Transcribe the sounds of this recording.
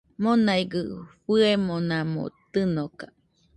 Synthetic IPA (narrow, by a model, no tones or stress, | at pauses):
monajɡɯɸɨemonamo̰t̪ɨnokḁ